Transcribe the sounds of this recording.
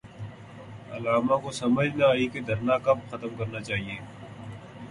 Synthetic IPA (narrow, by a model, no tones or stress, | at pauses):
ɐ̰laːmakosɐməd͡ʒʱnaaːiked̪ʱɐɾnakɐb̚xɐt̪əmkɐɾnat͡ʃaːɦieː